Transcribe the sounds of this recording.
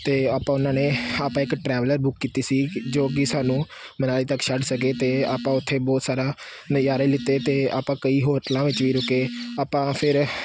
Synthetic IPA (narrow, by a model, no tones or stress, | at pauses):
t̪eːaːpãːʊnãːneːaːpãːɪkʈɾɛːʋləɾbʊkːiːt̪iːsiːd͡ʒoːɡiːsaːnũː | mənaːliːt̪əkːʃəɖsək̬eːt̪eːaːpãːʊt̪ʰːeːbɔːt̪saːɾaː | nəjaːɾailɪt̪eːt̪eːa̰ːpãːkəiːɦoːʈlãːʋɪt͡ʃʋiːɾʊkeːaːpãːpʰɪɾ